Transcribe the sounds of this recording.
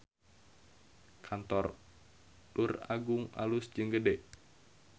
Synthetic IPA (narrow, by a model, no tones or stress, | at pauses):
kʰant̪ɔr | dura̰ɡuŋa̰lusd͡ʒɨŋɡədɛʔ